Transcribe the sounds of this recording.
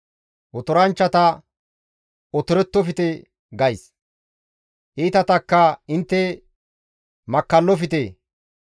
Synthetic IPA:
ɔt̪ɔɾɐnt͡ʃːɐt̪ɐ | ɔt̪ɔɾɛt̪ːɔfɪt̪e | ɡɐjs | ʔiːt̪ɐt̪ɐkːɐɪnt̪ːɛ | mɐkːɐlːɔfɪt̪eː

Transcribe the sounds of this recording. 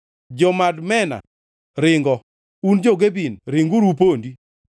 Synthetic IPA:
d͡ʒɔmadmɛna̰ | ɾɪŋɡɔ | und͡ʒoɡebinɾɪŋɡuɾup̬ondi

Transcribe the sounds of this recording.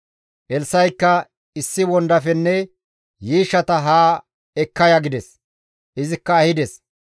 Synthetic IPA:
ʔɛlsɐjkːɐ | ɪsːɪwɔnd̪ɐfɛnːɛ | jiːʃːɐt̪ɐɦaː | ɛkːɐjɐɡɪd̪ɛs | ʔɪzɪkːɐːhɪd̪ɛs

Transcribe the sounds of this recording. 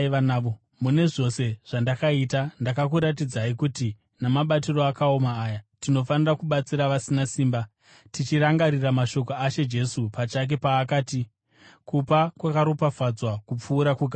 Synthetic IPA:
ʋanaːʋo | mune̞ʐo̞se̞ʐ̥andakaitandakakuɾat̬id͡zaikuti | namaɓatiro̞akao̞maːjatino̞fanirakuɓat͡siɾaʋasinasiːmba | tit͡ʃiɾaŋɡaɾiramaʃo̞k̬o̞at͡ʃe̞d͡ʒe̞supat͡ʃak̬e̞paːkaːti | kupakwakaɾupafad͡zwakup͡fuːɾakuɡʱa

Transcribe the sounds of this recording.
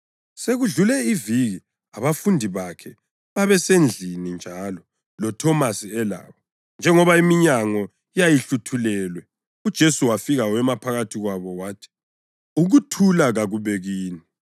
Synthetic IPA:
seɣuɮulɛiviɣi | aβafundʱiβakʰɛ | βaβɛsend͡ɮʱinind͡ʒʱalɔ | lɔtʰɔmasiɛla̰ːβɔ | nd͡ʒʱɛŋɔβaimiɲaŋɔ | ijajiɬutʰulɛlwɛ | ud̥ʒ̥ʱesuwafiɣawɛmapʰaɣatʰiɣwaβɔwaːtʰi̥ | uɣutʰulaɣaɣuβeɣiːni

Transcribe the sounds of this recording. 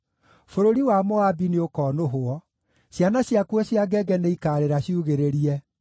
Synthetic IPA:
foɾoɾiwamɔabineokɔːnoɦoɔ | ɕjanaɕjakwɔɕjaɡɛɡɛneikaːɾeɾaɕjuɣeɾeɾiɛ

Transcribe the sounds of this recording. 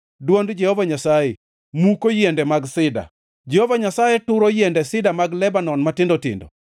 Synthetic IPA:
dwondd͡ʒɛhovaɲasajɛ | mukojɛndɛmaɡsɪda̰ | d͡ʒɛhovaɲasajɛtʊɾojɛndɛsɪdamaɡlɛbanɔnmatɪndɔtɪ̰ndɔ̰

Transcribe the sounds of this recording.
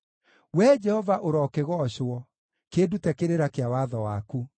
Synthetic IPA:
wɛd͡ʒɛhɔvaʔoɾɔːkeɣɔɕwɔ | keːdutɛkeɾeɾakeawaðɔwaku

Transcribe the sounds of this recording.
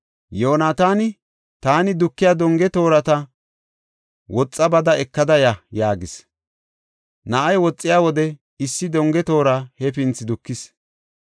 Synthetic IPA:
joːnaːt̪aːnɪ | t̪aːnɪd̪ʊkːɪjaːd̪ɔŋɡɛt̪o̞ːɾɐt̪ɐ | wɔt͡sʼːɐbɐd̪ɐɛkːɐd̪ɐjɐjaːɡɪs | nɐʔɐjwɔt͡sʼːɪjaːwɔd̪ɛ | ɪsːɪd̪ɔŋɡɛt̪o̞ːɾahɛpɪnt͡sːɪd̪ʊkːɪs

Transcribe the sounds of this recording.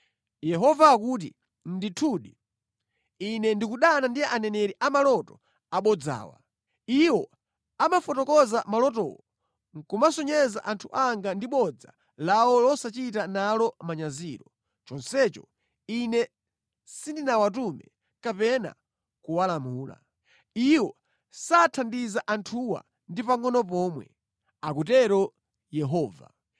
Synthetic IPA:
jɛɦɔvakuːt̬ḭ | n̩ditʰuɗi | inɛndikuɗanandianɛnɛɾiʔamalɔtɔ | aɓɔd͡za̰ːwa̰ | iwɔ | amafɔtɔkɔzamalɔt̬ɔ̰wɔ | ŋkumasɔɲɛzaʔantʰuʔaŋɡandiɓɔd͡za | lawɔlɔsat͡ʃitanalɔmaɲaziːɾɔ | t͡ʃɔnsɛt͡ʃɔ̰ | inɛ | sindinawat̬umɛ̰ | kapɛna̰ | kuwalamuːla̰ | iwɔ | saːtʰandizaʔantʰuwa̰ | ndipaŋɡɔnɔp̬ɔːmwɛ̰ | ak̬ut̬ɛɾɔ | jɛɦɔːva̰

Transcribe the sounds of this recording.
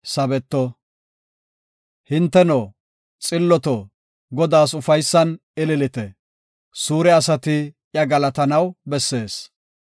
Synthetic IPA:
sɐbɛt̪ːɔ | hɪnt̪ːɛnoː | t͡sʼɪlːɔt̪ɔ | ɡɔd̪aːsʊfɐjsːɐn | ɪlɪlɪt̪ɛ | suːɾɛɐsɐt̪ɪ | jɐɡɐlɐt̪ɐnɐwbɛsːe̞ːs

